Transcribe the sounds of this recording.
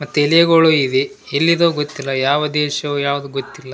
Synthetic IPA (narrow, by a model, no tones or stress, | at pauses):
mɐt̪ːuelijɐɡoɭuid̪e | elːid̪oːɡot̪ːilːɐjaːʋɐd̪ɛːʃɐʋujaːʋud̪uɡot̪ːilːɐ